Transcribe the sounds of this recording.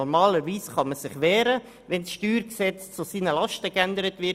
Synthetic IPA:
ɔɾmɑːləɾʋiːsχɑməsɪχʋɛːɾə | ʋɛnsʃtyːɾksɛt͡st͡susiːnəlɑʃtəkændəɾətʋɪ

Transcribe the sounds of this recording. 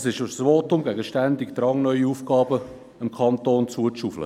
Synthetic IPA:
sɪʃʊsvoːtʊmɡɛɡəʃtændɪkd̪ɾɑŋnœʏiuːfɡ̥ɑːbə | əmkʰɑntoːnt͡suət͡ʃuflə̰

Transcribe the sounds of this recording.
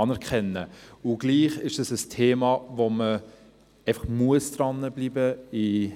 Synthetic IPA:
ɑnɛɾkχɛnːəʊɡ̥liːχɪʃdəsəstʰeːmɑːvomə | ɛɪfɑχmuəsd̥̪ɾɑnːəblibəɪ

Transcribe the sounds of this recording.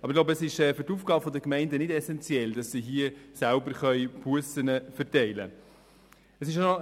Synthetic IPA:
ʔɑbɾɪɡlaʊwbəɛsɪʃɛːfyɾtuːfɡ̥ɑːbəfɔdəkmɛɪndənɪdɛsɛnt͡sjɛld̥ɑsːiɦiəsælbəɾχœʏb̥uəsənəfɛɾtɛɪlə̰ | əsɪʃo

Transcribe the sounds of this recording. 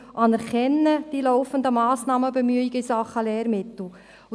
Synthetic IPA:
ʔɑnɛɾkʰɛnːəd̥ilɔʊfənd̪əmɑːsnɑːməbemyəiɡəisɑχːəlɛːɾmɪt̪l̩

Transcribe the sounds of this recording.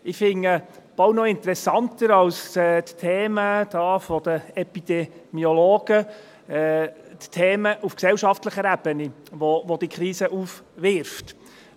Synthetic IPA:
ɪfɪŋəb̥ɑwnɔɪnt̪əɾɛsɑnt̪əɾɑwsɛt̪tʰeːməd̪̥ɑːfɔd̥̪əɛpid̥̪ɛmiɔloːɡ̥ə | ɛt̪tʰeːməʔufksɛlwʃɑftləχəɾæb̥əni | ʋoʋod̥̪ikχɾiːsəʔuːfʋɪɾft

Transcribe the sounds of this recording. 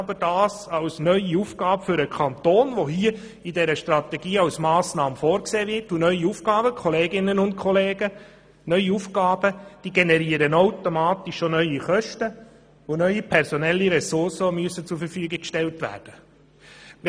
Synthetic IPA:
ɑbəd̥ɑːsɑwsnœʏiufɡ̥ɑːbəfʏɾəkʰɑnt̪oːnʋoɦiə | idɛɾəʃtɾɑt̪ɛɡiːɑwsmɑːsnɑːməfoːɾkseːʋɪtunœʏiufɡ̥ɑːbəkʰɔleːɡɪnənʊnt̚kʰɔleːɡə | nœʏiufɡɑːb̥əd̥iːɡenɛɾiːəɾənawtomɑːt̪iʃːonœʏiχœʃtə | onœʏipʰɛɾsɔnɛlːiɾɛsʊrsəmyəsət͡sufəɾfyːɡɪkʃtɛltʋæ̰ːrd̥ə

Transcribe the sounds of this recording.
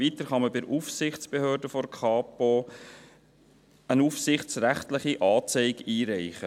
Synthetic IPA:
vit̪əɾχɑməbɪɾʔufsɪχt͡sb̥ehøːɾdəfɔɾkʰχɑːpo | ənufsɪχt͡sɾæχtləχiʔɑːt͡sɛɪɡiːɾæɪχə

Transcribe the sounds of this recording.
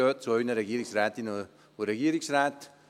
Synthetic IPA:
ot̪sojnɐɾɐɡiɾiksɾat̪ino | uɾɐɡiɾiksɾat̪

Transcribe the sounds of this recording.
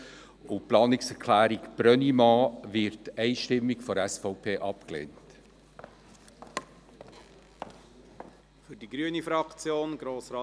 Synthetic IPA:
ʊplɑːnɪksɛɾkʰlæːɾikb̥ɾœnimɑːvɪɾtɛɪʃtɪmːikfɔɾɛsfɔʊpʰeːʔɑpklḛːnt | fyɾdiɡɾyənifɾɑkt͡sjoːnɡ̥ɾoːsɾɑ

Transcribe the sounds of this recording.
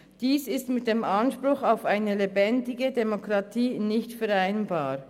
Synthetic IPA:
d̥iːsɪstmɪt̚d̥eːmɑnʃpʁʊxaʊfaɪnəlebɛndɪɡədemokʁɑtʰiːnɪçtfɛʁaɪnbaː

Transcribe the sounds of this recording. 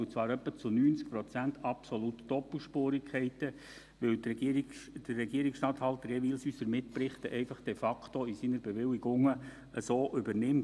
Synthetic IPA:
t͡sʋɑːɾœpːət͡sunyːnt͡sk̚pɾɔt͡sænt̪ʰɑpsolut̪d̥ɔpəl̩ˠʃpoːɾikχɛɪt̪ə | ʋɪwtː | d̥ərːɛɡiəɾiksʃtɑt̪hɑlt̪əɾɛʋiːlsyːsəɾmɪtpɾɪχt̪əʔɛɪfɑχd̥ɛfɑkʰtoisinəɾbeʋɪliɡʊŋə | əsoːʔʏbərnɪm

